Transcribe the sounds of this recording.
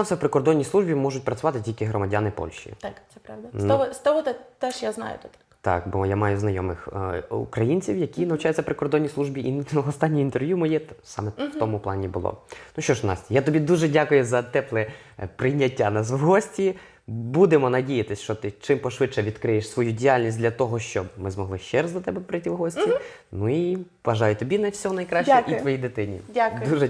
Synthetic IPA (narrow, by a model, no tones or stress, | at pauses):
nɑmfsɛwpɾɪkɔrd̪ɔnʲːisˠuʒbʲimɔʒʊt̚ʲpɾɐt͡sʲʊʋɑt̪ɪtʲilʲkɪɦɾɔmɐdʲanɪpɔ̰lʲʃʲḭt̪ak̪ɛpɾɑwd̪ɐsɔɦɔst̪ɔɦɔt̪ɛt̪ɛʃjaznɑ̰jʊ̰t̪ɔt̪kt̪ɑ̰kbɔjamɑjʊznɐjɔmɪxṵkɾɐjinʲt͡sʲiwjɐkʲinɐʋʊt͡ʃajʊtt͡sʲɐpɾɪkɔrd̪ɔnʲːislˠuʒbʲiʔinɔst̪ɑnʲːijint̪erʋjumɔjisɑ̰mɛwt̪ɔmʊplˠɑnʲibʊlˠɔ̰nuʃt͡ʃɔʃnɑ̰sʲtʲijat̪ɔbʲid̪uʒɛdʲakʊjʊzɐt̪ɛplˠɛ | pɾɪjnʲːɐtʲːanɑs̬ɦɔsʲtʲi | bud̪emɔnɐdʲijɐt̪ɪsʲʃt͡ʃɔt̪ɪt͡ʃɪmpɔʃʋɪtt͡ʃɛʋʲid̪̥kɾɪjeʃsʋɔjudʲijalʲnʲisʲtʲdlʲɐt̪ɔɦɔʃt͡ʃɔbmɪzmɔɦlˠɪʃt͡ʃɛɾɐzɐt̪ɛbɛpɾɪjt̪iwɦɔsʲtʲi | nui | ʋɐʒɑjʊt̪ɔbʲinɐsʲɔɦɔnɐjkɾɑʃt͡ʃɛit̪ʋɔjid̪ɪt̪ɪnʲḭdʲakd̪uʒɛ